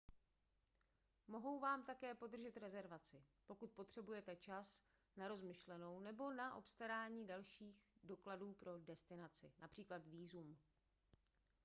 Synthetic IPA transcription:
mo̞ɦo̞wvaːmt̪akɛːpo̞d̪r̩ʒɛt̪ɾɛzɛɾvat͡sɪpo̞kut̪̚po̞t̪r̝̥ɛbujɛt̪ɛt͡ʃas | naɾo̞zmɪʃlɛno̞wnɛbo̞naʔo̞̰pst̪aɾaːɲiːdalʃiːxdo̞kladuːpɾo̞dɛst̪ɪnat͡sɪ̰nʔapr̝̥iːklat̪viːzum

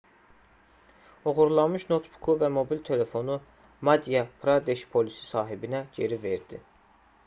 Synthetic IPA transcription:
o̞ɣuɾlˠɑmɯʃno̞t̪ʰbu̥kʰuvæmo̞bilt̪ʰe̞le̞fo̞nu | mɑd̪ijɑpʰɾad̪eʃpʰo̞lisi̥sɑːɦibinæɟe̞ɾive̞ɾd̪̥i

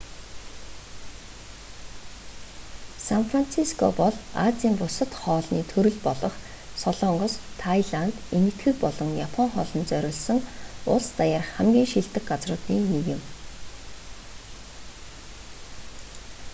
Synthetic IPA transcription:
sanfran̥t͡sʰiskʰɔ̰pɔɮa̰t͡siːmpʊsə̆t̪χɔːɮniːt̪ʰɵɾɵ̆ɮpɔɮɞ̆χ | sɔɮɔɴɢɞ̆st̪ʰajɮant̪enɘ̆t̪ɡɘ̆kpɔɮɞ̆ŋjapʰɔŋχɔ̰ːɮɞ̆nt͡sœɾʲɪ̆ːɮsə̆ŋʊ̰ɮst̪ajarχχæmɡʲiːŋʃiɬt̪ɘ̆kɢat͡srʊːt̪iːneɣɪ̆m

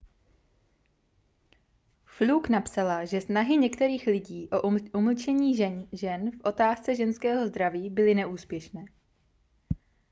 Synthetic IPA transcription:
fluknapsalaʒɛsnaɦɪɲɛkt̪ɛɾiːxlɪɟiːʔo̞ʔuml̩t͡ʃɛɲiːʒɛnfʔo̞t̪aːst͡sɛʒɛnskɛːɦo̞zd̪ɾaviːbɪlɪnɛʔuːspjɛʃnɛː

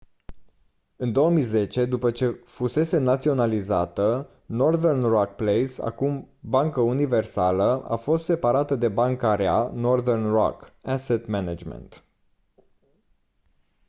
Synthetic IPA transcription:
ɨnd̪o̞wəmijze̞t͡ʃe̞d̪upət͡ʃe̞fuse̞se̞nat̪sio̞nalizat̪ə | no̞rðernrak̚plejsa̰kum | baŋkəunive̞rsaləa̰fo̞st̪se̞paɾat̪əd̪e̞baŋkaɾea̰no̞rðernro̰kaset̪mɛnad͡ʒmḛnt̪

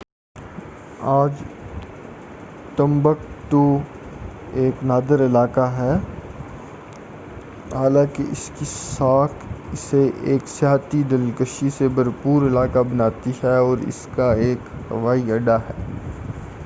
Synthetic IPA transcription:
aːd͡ʒ | t̪ə̃mbək̚t̪o | eːknaːd̪əɾɪlaːkaɦɛː | ɦaːlãːkeʔɪskisaːkʰɪseʔeːksjaːɦt̪id̪ɐlkəʃisebɐɾpuːɾɪlaːkabɐnaːt̪iɦɛɔːɾɪ̰skaeːkɦɐ̰ʋaːiɐɖaɦɛː

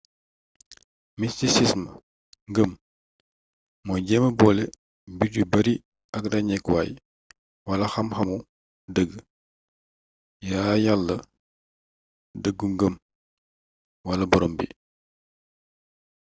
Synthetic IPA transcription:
mistisismə | ŋɡəm | ɔjɟɛməbɔːlɛ | biɟubɐɾi | ɐk̚dɐɲɛkwaːj | wɐlɐxɐmxɐmu | dəɡː | jaːjalːə | dəɡːuŋɡəm | wɐlɐbɔɾɔːmbḭ

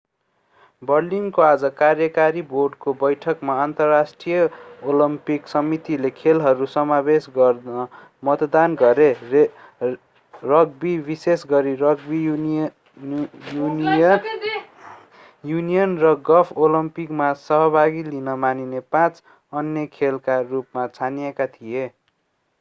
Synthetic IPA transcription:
bʌrliŋkoad͡zʌkarjʌkaɾiborɖkobʌjʈʰʌkmaant̪ʌrːasʈrijʌolʌmpiksʌmit̪ilekʰelɦʌɾusʌmabesɡʌrʌ | mʌt̪d̪anɡʌɾe | rʌɡ̚bibisesɡʌɾiʌɡ̚bi | jun | junijʌnrʌɡʌpʰolʌmpikmasʌɦʌbʱaɡilinʌmaninepãt͡s | ʌnjʌkʰelkarupmat͡sʰanijekat̪ʰije

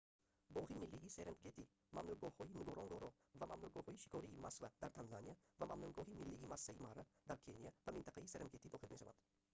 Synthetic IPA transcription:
bɔːhimilːiɡiseɾemɡet̪ʰi | mamnuɡɔhɔinuɡɔɾʔɔŋɡɔɾɔ | vamamnuɡɔːhɔːiʃi̥kʰɔɾiːmaskvad̪aɾt̪ʰanzanija | vamamnuɡɔːhimilːiɡimasːaimaɾad̪aɾkʰenijavamint̪aqaiseɾeɡet̪ʰid̪ɔːqʰit̪meʃava̰nd̪̥

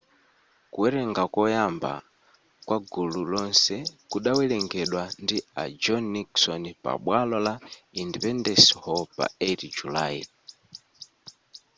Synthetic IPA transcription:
kuwɛɾɛŋɡakɔjamba̰ | kwʔaɡululɔnsɛkuɗawɛlɛŋɡɛɗwandia̰d͡ʒɔnːiksɔnpa̰ɓwalɔlaindipɛndɛshɔpa̰ɛɾid͡ʒulai

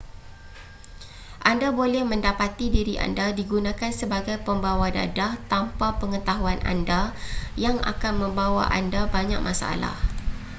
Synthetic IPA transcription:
ʔandabolɛhmə̃ndapat̪idiɾiʔa̰ndadiɡunãkansəbaɡajpəmbawada̰daht̪ampapəŋət̪aɦuana̰ndajaŋa̰kanmə̃mbawa̰ʔa̰ndabaɲa̰k̚masaa̰la̰h

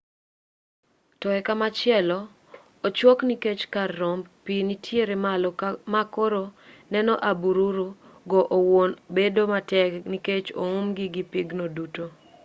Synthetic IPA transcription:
tɔɛkamat͡ʃɪɛlɔ | ot͡ʃwɔkniket͡ʃkarːɔmpinitʰjeɾemamakoɾonɛnɔʔabuɾuɾuɡɔʔowonbedomatɛkniket͡ʃo̰umɡiɡipiɡnoduto

